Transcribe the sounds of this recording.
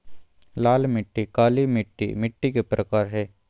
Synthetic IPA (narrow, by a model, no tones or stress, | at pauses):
laːlmɪʈːikaːlimɪʈːḭmɪʈːikepɾəkaːɾɦɛː